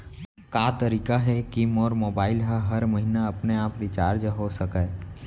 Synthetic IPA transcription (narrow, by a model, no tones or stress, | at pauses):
kaːt̪əɾiːkaɦɛkimɔːɾmoːbaːɪlɦəɦɐɾmɐɦinaɐpneaːpɾit͡ʃaːɾd͡ʒɦosɐkaː